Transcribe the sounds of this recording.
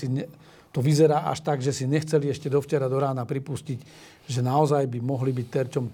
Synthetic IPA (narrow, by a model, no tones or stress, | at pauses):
iɛ | t̪ɔʋizɛɾaːʔa̰ʃt̪aɡʒɛsiɲɛxt͡sɛliɛʃcɛd̪ɔft͡ʃɛɾad̪ɔɾaːnapɾipuscic | ʒɛnaɔzajbimɔɦlibic̚t̪ɛɾt͡ʃɔm